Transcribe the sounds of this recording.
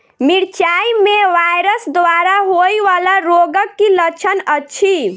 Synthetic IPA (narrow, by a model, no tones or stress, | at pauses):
miɾt͡ʃaimeʋajɾəsd̪ʋaɾaɦojʋalaɾoɡəkːilət͡ʃʰənətːt͡ʃʰi